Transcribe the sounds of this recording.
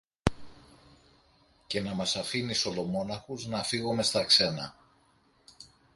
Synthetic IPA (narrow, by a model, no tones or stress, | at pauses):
ce̞nɐmɐsɐfiniso̞lo̞mo̞nɐxuznɐfiɣome̞st̪ɐkse̞nɐ̰